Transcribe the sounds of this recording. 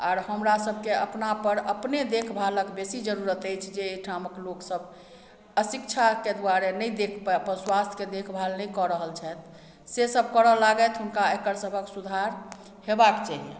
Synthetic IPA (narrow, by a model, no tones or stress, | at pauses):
aɾhəmɾasəbʱkeəpnapəɾəpned̪ekʰbʱaləkbesid͡ʒəɾuɾət̪əjt͡ʃʰd͡ʒeːʈʰaməkloksəb | əsikt͡ʃʰaked̪uwaɾenəjd̪ekʰpɛəpənswast̪ʰked̪ekʰbʱalnəjkɔɾəɦəlt͡ʃʰɛt̪ʰ | sesəbʱkəɾəlaɡɛt̪ɦunkaekəɾsəbʱəksud̪ʱaɾ | hebakt͡ʃaɦiḛ̃